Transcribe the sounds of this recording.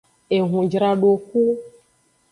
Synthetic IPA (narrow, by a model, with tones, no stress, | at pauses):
e˨ɦũ˨d͡ʒɾa˨ɖo˨ku˦